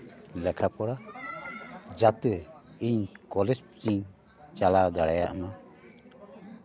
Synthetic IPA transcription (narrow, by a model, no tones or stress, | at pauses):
lɛkʰapɔɽa | d͡ʒat̪ɛ | iɲkɔlɛd͡ʒpt͡ʃiɲ | t͡ʃalad̪aɽajaʔana